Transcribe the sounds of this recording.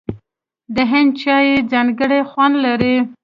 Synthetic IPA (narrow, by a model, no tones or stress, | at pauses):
d̪əɦɪnd̪̚t͡ʃɑjed͡zɑŋɡəɽexwand̪laɾi